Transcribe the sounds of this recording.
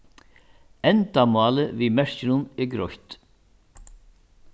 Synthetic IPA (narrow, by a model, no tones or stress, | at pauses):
ɛnt̪amɑːləvimɛɹ̥cɪnʊnɪɡɾɔht̪